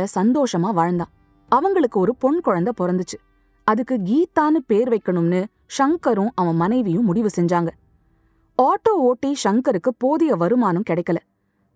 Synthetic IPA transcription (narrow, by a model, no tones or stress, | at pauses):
ɐsɐnd̪oːʂɐmaːʋaːɻɐnd̪ãː | ɐʋɐŋɡɐɭɯkːɯɔɾɯpɔɳkɔɻɐnd̪ɐpɔɾɐnd̪ɯt͡ʃːɯ̥ | ɐðɯkːɯɡiːt̪aːnɯpeːɾʋɐɪkːɐɳɯmnɯ | ʂɐŋkɐɾɯ̃ʔɐʋɐ̃mɐnɐɪʋɪjʊ̃mʊɽɪʋɯsɛɲd͡ʒaːŋɡɐ | aːʈːoːoːʈːiʂɐŋkɐɾɯkːɯpoːðɪjɐʋɐɾɯmaːnɯ̃mkɪɽɐɪkːɐlɐ